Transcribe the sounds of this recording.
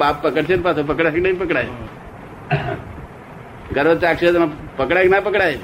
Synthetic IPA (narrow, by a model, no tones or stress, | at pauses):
apːəkəɽt͡ʃʰeɾpasʰop̬əkɽaknaĩpəkɽaj | ɡəɾʋətakʃet̪napəkɽaknapəkɽaj